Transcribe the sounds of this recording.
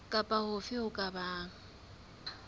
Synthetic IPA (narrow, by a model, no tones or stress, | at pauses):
kʼapʼahʊfɪʊkʼabaːŋ̩